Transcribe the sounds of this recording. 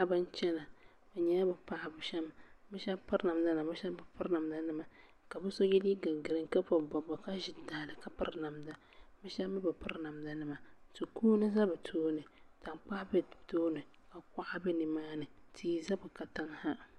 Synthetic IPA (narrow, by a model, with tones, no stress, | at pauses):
a˨bɨ˦n˦t͡ʃɛ˦na˨ | bɛ˨ɲɛ˦a˦bɨ˨pa˦ʔa˨bʃɛ˦mːɨ˦ʃɛ˦pɨ˦ɾna˨mda˦na˨bɨ˦ʃa˦bɨ˨pɨ˦ɾna˨mda˦nɨ˦ma˨ | ka˨bɨ˦so˦ji˦li˦ɡa˨ɡɨ˨ɾɨ˨ŋka˦pɔ˨bɔ˨bɔ˨ka˦ʒɪ˨daː˨lɨ˨ka˨pɨ˦ɾna˨mda˨ | mɨ˦ʃa˦m˦bɨ˨pɨ˦ɾna˨mda˨nɨ˦ma˨tu˨kʰuː˦nɨ˦za˦bɨ˨tʰoː˦nɨ˨ta˨ŋk͡pa˦ʔbɛ˦toː˦nɨ˨ | ka˨k̚a˦ʔa˦bɛ˦nɨ˨maː˦nɨ˨tʰiː˦za˦bɨ˨ka˨ta˦ŋha˦